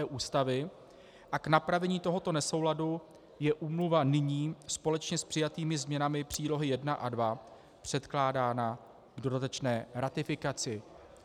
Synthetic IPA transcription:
ɛːʔuːst̪avɪ | ʔaknapɾavɛɲiːt̪o̞ɦo̞t̪o̞nɛso̞wladu | jɛʔuːmluvanɪɲiːspo̞lɛt͡ʃɲɛspr̥ɪjat̪iːmɪzmɲɛnamɪpr̝̥iːlo̞ɦɪjɛdnaʔadva | pr̝̥ɛt̪klaːdaːna | ɡdo̞dat̪ɛt͡ʃnɛːɾat̪ɪfɪkat͡sɪ

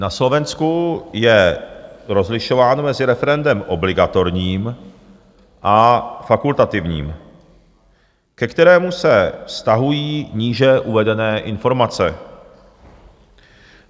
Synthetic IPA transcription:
naslo̞vɛnskujɛ | ɾo̞zlɪʃo̞vaːnmɛzɪɾɛfɛɾɛndɛmʔo̞blɪɡat̪o̞ɾɲiːm | ʔafakult̪at̪ɪvɲḭːm | kɛkt̪ɛɾɛːmusɛfst̪aɦujiːɲiːʒɛʔuvɛdɛnɛːʔɪnfo̞ɾmat͡sɛ

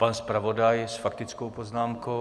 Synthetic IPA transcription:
panspɾavo̞dajsfakt̪ɪt͡skowpoznaːmko

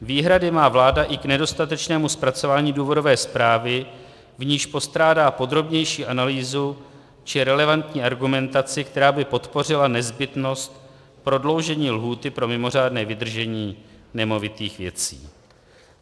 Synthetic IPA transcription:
viːɦɾadɪmaːvlaːdaʔɪknɛdo̞st̪at̪ɛt͡ʃnɛːmuspɾat͡so̞vaːɲiːduːvo̞do̞vɛːspɾaːvɪ | vɲiːʃpo̞st̪ɾaːdaːpo̞d̪ɾo̞bɲɛjʃiːʔanaliːzu | t͡ʃɪɾɛlɛvant̪ɲiːʔaɾɡumɛnt̪at͡sɪkt̪ɛɾaːbɪpo̞t̪po̞r̝ɪlanɛzbɪt̪no̞st̪ | pɾo̞dlo̞wʒɛɲiːlɦuːt̪ɪpɾo̞mɪmo̞r̝aːdnɛːvɪd̪r̩ʒɛɲiːnɛmo̞vɪt̪iːxvjɛ̰t͡sḭː

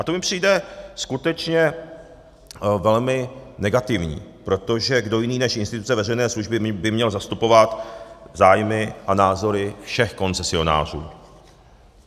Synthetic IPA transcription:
ʔat̪o̞mɪpr̝̥ijdɛskut̪ɛt͡ʃɲɛ | vɛlmɪnɛɡat̪ɪvɲḭːpɾo̞t̪o̞ʒɛɡdo̞jɪniːnɛʃʔɪnst̪ɪt̪u̥t͡sɛvɛrɛjnɛːsluʒbɪbɪmɲɛlzast̪upo̞vat̪zaːjmɪʔanaːzo̞ɾɪfʃɛxko̞nt͡sɛsɪo̞na̰ːr̝ṵː

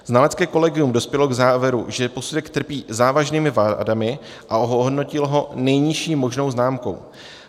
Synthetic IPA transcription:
z̥nalɛt͡skɛːko̞lɛɡɪjumdo̞spjɛlo̞ɡzaːvjɛɾṵʒɛpo̞sudɛkt̪r̩piːzaːvaʒniːmɪvadamɪ | ʔaoɦoɦodno̞cɪlɦo̞nɛjɲɪʃiːmo̞ʒno̞wznaːmko̞̰w

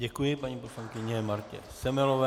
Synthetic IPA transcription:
ɟɛkujɪpaɲiːpo̞slaŋkɪɲɛmaɾcɛ̰sɛmɛlovɛ

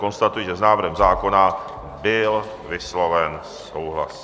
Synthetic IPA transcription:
ko̞nst̪at̪ujiʒɛznaːvɾ̩ɦɛmzaːko̞na | bɪl | vɪslo̞vɛnssowɦla̰s

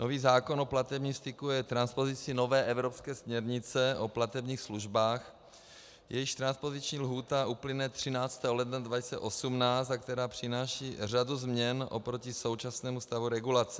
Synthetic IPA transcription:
no̞viːzaːko̞no̞plat̪ɛbɲiːmst̪ɪkujɛt̪ɾanspo̞zɪt͡sɪno̞vɛːʔɛvɾopskɛːsmɲɛɾɲɪt͡sɛʔoplat̪ɛbɲiːxsluʒbaːx | jɛjɪʃt̪ɾanspo̞zɪt͡ʃɲiːlɦuːt̪aʔuplɪnɛt̪r̝̥ɪnaːt͡st̪ɛːɦolɛd̪nadvacɪ̥t͡sɛ̰ʔo̞sumnaːt͡st̪ak̚t̪ɛɾaːpr̝̥ɪnaːʃiːr̝aduzmɲɛnʔo̰pɾo̞cɪso̞wt͡ʃasnɛːmust̪avuɾɛɡulat͡sɛ̥

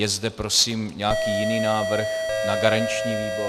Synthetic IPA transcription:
jɛzdɛpɾo̞siːmɲɛakiːjɪniːnaːvr̩xnaɡaɾaɲt͡ʃɲiːviːbo̞

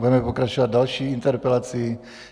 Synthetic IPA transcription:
uɛmɛpɔkɾat͡ʃuʋat̪d̪alʃiːnt̪ɛɾpɛlat͡sii

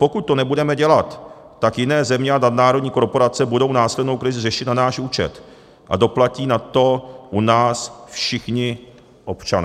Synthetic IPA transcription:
po̞kut̪̚t̪o̞nɛbudɛmɛɟɛlat̪ː | akjɪnɛːzɛmɲɛanadnaːɾo̞dɲiːko̞ɾpo̞ɾat͡sɛbudo̞wnaːslɛdno̞wkɾɪzɪrɛʃɪt̪nanaːʃuːt͡ʃɛ̰t̪ | ʔa̰do̞placiːnat̪o̞ʔunaːsfʃɪxɲɪ | ʔo̞pt͡ʃanɛː

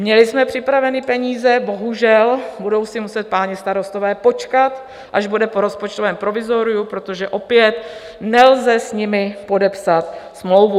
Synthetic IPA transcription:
mɲɛlɪsmɛpr̥ɪpɾavɛnɪpɛɲiːzɛbo̞ɦuʒɛlbudo̞wsɪmusɛt̪̚paːɲɪst̪aɾo̞st̪ovɛːpo̞t͡ʃkat̪ | ʔaʒbudɛpo̞ɾo̞spot͡ʃt̪ovɛːmpɾo̞vɪzo̞ɾɪjupɾo̞t̪o̞ʒɛʔo̞pjɛt̪ | nɛlzɛsɲɪmɪpo̞dɛpsat̪smlo̞wvu

